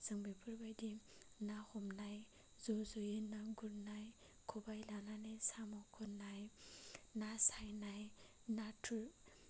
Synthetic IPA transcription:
z̥ɯŋbipʰɯɾbajdinahɔmnaj | zɔzojinaɡuɾnaj | kʰɔbajlananajsamɔkʰɔnaj | nasajnaj | natʰuɾ

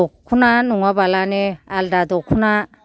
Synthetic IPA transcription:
ɔkʰːunanuŋabalanealdad̪ɔkʰuna

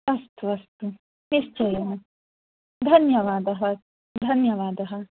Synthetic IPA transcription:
ɐst̪uɐst̪u | nist͡ʃojɦ | d̪ʱɐnjɐʋaːd̪ɐɦɐ | d̪ʱɐnjɐʋaːd̪ɐɦɐ

